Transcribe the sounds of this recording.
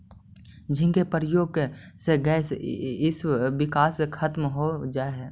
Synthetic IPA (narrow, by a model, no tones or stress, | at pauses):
d͡ʒɪ̃nkepəɾjoːɡseɡɛsɪsʋɪkaːsekʰət̪mɦod͡ʒaːeɦɛː